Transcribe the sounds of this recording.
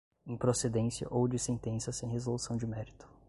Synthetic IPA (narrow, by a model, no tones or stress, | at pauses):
ẽj̃pɾosed̪ẽsjɐ̰ʔowd͡ʒɪsẽnt̪ẽsɐsẽj̃hezolusɐ̃w̃d͡ʒɪmɛɾit̪ʊ̥